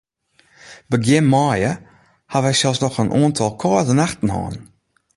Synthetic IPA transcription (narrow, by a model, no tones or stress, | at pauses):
bəɡɪnmːɑːjə | havɛksalˠsnɔxənʔɑːntʰɔlˠkʰɑːzənaxtn̩hɑ̰ːn